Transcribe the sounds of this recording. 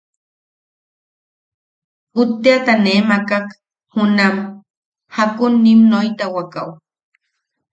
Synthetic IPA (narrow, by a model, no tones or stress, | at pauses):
hʊt̪ːeat̪aneːmakak | hʊnam | hakʊnːimnojt̪awakaw